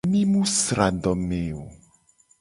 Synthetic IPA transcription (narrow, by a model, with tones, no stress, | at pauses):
mĩ˦mũ˦sɾa˨ɖɔ˨mẽ˨o˨